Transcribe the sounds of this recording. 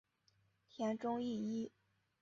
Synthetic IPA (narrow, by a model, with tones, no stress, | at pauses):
t̪ʰjɛ˧˥nʈ͡ʂʊ˥ŋi˥˩i˥